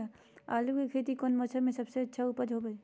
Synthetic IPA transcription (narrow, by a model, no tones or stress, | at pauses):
a | aːlukekʰeːt̪ikoːnmət͡ʃʰəmẽsɐbseɐtːʃʰaupəd͡ʒ̪ɦobə